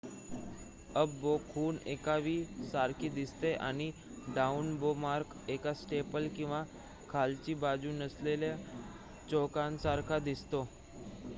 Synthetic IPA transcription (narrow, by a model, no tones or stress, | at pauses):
əbbokʰuːnekaʋiːsaɾkʰiːd̪ist̪eʔa̰ɽ̃i | ɖaunbomaɾk | ekasʈepəlkĩw̃ʋa | kʰalt͡ɕiːbad͡ʑuːnəslelja | t͡ɕokãnsaɾkʰad̪ist̪o